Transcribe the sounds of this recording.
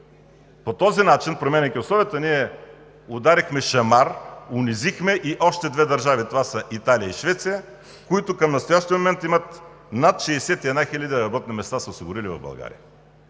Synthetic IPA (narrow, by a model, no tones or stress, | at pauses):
pot̪ɔzinat͡ʃinpɾomʲɛnʲɛjkʲiosɔbɛt̪əniɛ | ʊd̪aɾixmɛʃɐmaɾʊnizixmɛʔiʔɔʃt̪ɛd̪vɛd̪ɐɾʒavit̪ovasəʔit̪aliəiʃvɛt̪sijə | koit̪ʊkɐmnɐst̪ojaʃt̪iəmomɛnt̪imət̪ | nat̪ʃɛːsɛt̪iɛd̪naxilʲəd̪iɾɐbɔt̪̚nimɛst̪asəʊsiɡʊɾilivɐ̰vbɐ̰lˠɡa̰ɾḭjə